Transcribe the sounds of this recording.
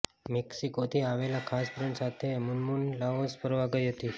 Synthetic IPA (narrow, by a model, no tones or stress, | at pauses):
mɛksikot̪ʰiaʋelakʰaspɾeɳʈsat̪ʰemunmunlaospəɾʋaɡəiɦət̪i